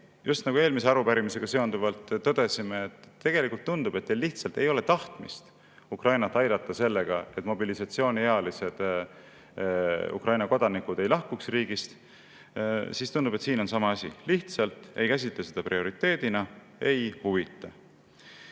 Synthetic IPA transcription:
jʔust̪nɑɡue̞ːlmise̞ɑɾupæɾimise̞ɡ̥ɑse̞o̞nd̪uvɑlt̪ːɤd̪̥e̞simeːt̪ːe̞ɡ̥e̞likult̪ːund̪̥ube̞t̪̚ːelːiht̪sɑlt̪ːˑe̞jo̞le̞t̪ɑht̪mḭst̪ | ukrʔɑjnɑt̪ːˑɑjd̪ɑt̪ːˑɑse̞lːe̞ɡ̥ɑe̞t̪ːˑmo̞bilisɑt̪sio̞ːnʲieɑlise̞d̪̥ | ṵkrɑjnɑko̞d̪̥ɑnikˑud̪e̞jlɑhkuksriːɡ̥ist̪ | sist̪und̪ube̞t̪siːno̞nsɑmɑɑsʲḭliht̪sɑlt̪ˑe̞jkæs̬ʲit̪lese̞d̪̥ɑprio̞ɾit̪ːˑe̞ːd̪̥inɑ | e̞jhuvit̪ːˑɑ

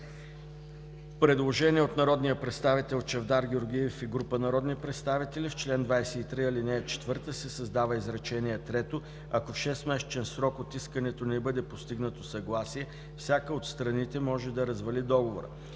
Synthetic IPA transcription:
pɾɛd̪lˠoʒɛnʲiɛot̪nɐɾɔd̪nijəpɾɛt̪st̪avit̪ɛlˠt͡ʃɛvd̪aɾɡʲɛoɾɡ̟ʲijɛfiɡɾupənɐɾɔd̪nipɾɛt̪st̪avit̪ɛlift͡ʃlɛnd̪vajsɛit̪ɾiɐlinɛːt͡ʃɛ̥t̪vɤɾt̪əsɛsɐzd̪avəizɾɐt͡ʃɛnʲiɛt̪ɾɛt̪o | ɐkofʃɛst̪mɛʃt͡ʃɛnsɾɔkot̪iskənɛt̪onɛbɤd̪ɛpost̪iɡnət̪osɐɡlˠasiɛ | fsʲjakəot̪st̪ɾɐnit̪ɛmɔʒɛd̪ɐɾɐzvɐlid̪ɔɡovoɾə̰

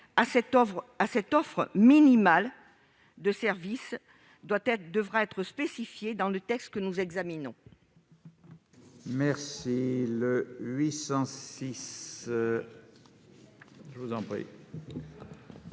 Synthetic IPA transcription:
asɛɔʁasɛt̪ɔfχəminimal | d̪əsɛʁvis | d̪wat̪ɛd̪əvʁaɛt̪χəspesifjed̪ɑ̃lət̪ɛkst̪̚kənuzɛɡzaminɔ̃ | mɛʁsiləɥisɑ̃sis | ʒəvuzɑ̃pχḭ

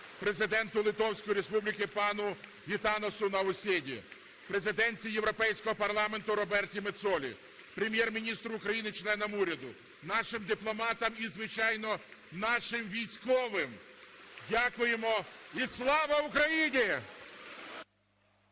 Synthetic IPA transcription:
pɾe̞zɪd̪ɛnt̪ʊlˠɪt̪ɔwsʲkɔjiɾe̞spublʲɪkɪpɑnʊ | ɦʲit̪ɑnɔsʊnɐʊsʲidʲḭ | pɾe̞zɪd̪ɛnʲt͡sʲijeʋwɾɔpɛjsʲkɔɦɔpɐrlˠɑme̞nt̪ʊɾɔbɛrtʲimet̪sɔlʲḭ | pɾʲemʲjɛrmʲinʲist̪ɾʊːkɾɐjinɪt͡ʃlˠɛnɔmuɾʲɐd̪ʊ | nɑʃɪmd̪ɪplˠɔmɑt̪ɐmizʋɪt͡ʃɑjnɔnɑʃɪmʋʲijsʲkɔʋɪmdʲakʊjemɔislˠɑʋɐukɾɐjinʲi

